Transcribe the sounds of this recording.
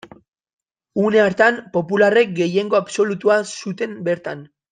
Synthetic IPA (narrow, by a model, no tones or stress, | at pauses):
une̞aɾt̪ampo̞pulare̞k̚ɡe̞je̞ŋɡo̞abso̞lut̪uasut̪e̞mbe̞ɾt̪an